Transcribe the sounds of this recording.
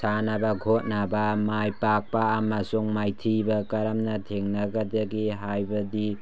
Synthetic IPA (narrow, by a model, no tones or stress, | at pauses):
sanabaɡʱot̚nabamajpak̚paːmasuŋmajtʰibakaɾamnatʰeŋnaɡadaɡiɦajbadi